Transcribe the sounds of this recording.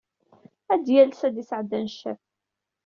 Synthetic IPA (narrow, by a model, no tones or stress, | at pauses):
æd̪jælsæd̪isʕəd̪ːænʃːæ̰θ